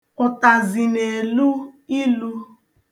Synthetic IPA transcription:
ʊ˨ta˨zi˨ne˨e˨lu˦i˦lu˦

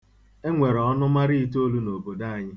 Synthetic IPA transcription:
e˦ŋʷe˨ɾɔ˨ɔ˦nʊ˦ma˦ɾi˦i˦t̬o˦lu˦no˨bo˨da˦a˨ɲɪ˦

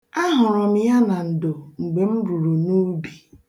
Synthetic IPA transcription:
a˦ɦʊ˨ɾɔ˨m̩˨ja˦na˨n̩˨do˨ŋ͡m̩˨ɡ͡be˨m̩˦ɾu˨ɾu˨nu˦bi˨

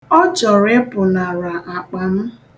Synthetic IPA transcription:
ɔ˦t͡ʃɔ˨ɾe˦pʊ˨na˨ɾa˨ʔa˨k͡pa˨m̩˦

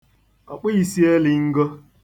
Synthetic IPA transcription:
a˨k͡pʊ˦ji˨si˦e˦li˨ŋ̩˦ɡo˦

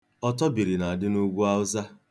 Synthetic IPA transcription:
ɔ˦tɔ˦bi˨ɾi˨na˨dɪ˦nu˦ɡʷu˦a˦ʊ˦za˦

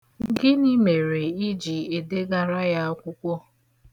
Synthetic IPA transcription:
ɡɪ˦ni˦me˨ɾe˨i˦d͡ʒi˨e˨de˦ɡa˨ɾa˦ja˦kʷʊ˦kʷɔ˦

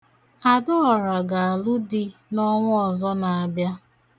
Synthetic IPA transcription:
a˨dʊ˦ɔ˨ɾa˨ɡa˨a˨lʊ˦dɪ˦nɔ˦ŋʷʊ˦ɔ˨zɔ˦na˨a˨bja˦

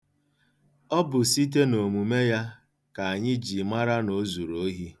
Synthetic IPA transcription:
ɔ˦bʊ˨si˦t̬e˦no˨mu˨me˦ja˦ | ka˨a˨ɲɪ˦d͡ʒi˨ma˦ɾa˦no˨zu˨ɾo˨˦ɦi˦

